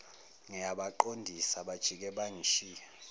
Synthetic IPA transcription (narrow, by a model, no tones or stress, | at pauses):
ŋɛaɓaǃondʱisaɓad̥ʒ̥ʱik̬ɛɓaŋiʃiːa